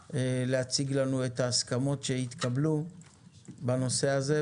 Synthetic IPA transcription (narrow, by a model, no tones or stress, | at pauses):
eleat͡siɡlanue̞t̪aːskamo̞tʃe̞it̪kablu | bano̞se̞aze̞